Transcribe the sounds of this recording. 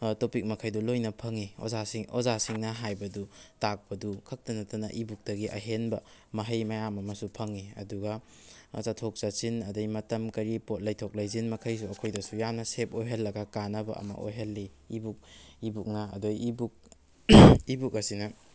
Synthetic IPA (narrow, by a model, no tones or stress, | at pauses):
topik̚mɐkʰɐjdulojnɐpʰɐŋio̰zasiŋʔozasiŋnɐɦajbɐdutak̚pɐdukʰɐk̚tɐnɐtɐnɐ̰ʔibuk̚tɐɡiʔɐ̰ɦenbɐmɐɦɐjmajamɐmɐsupʰɐŋiɐ̰duɡɐ | t͡ʃatʰok̚sat͡ʃinɐdɐjmɐtɐmkɐɾipot̚lɐjtʰok̚lɐjzinmɐkʰɐjs̬uɐkʰojdɐsujamnɐsep̚ojɦɐlːɐɡɐkanɐbɐ̰ɐ̰mɐ̰ʔo̰jɦɐlːiː | buk̚ibuk̚nɐ̰ːdojibuk̚ | ibuk̚ɐsinɐ